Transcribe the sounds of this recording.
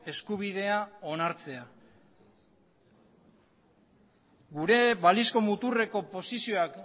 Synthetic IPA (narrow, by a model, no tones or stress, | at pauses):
e̞skuβ̞ið̞e̞ao̞naɾt͡se̞a | ɡuɾe̞βalisko̞mut̪ure̞ko̞po̞sisio̞ak